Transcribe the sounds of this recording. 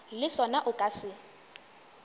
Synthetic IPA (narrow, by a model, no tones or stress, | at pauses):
lɪsɔnaʔʊkʼasɪ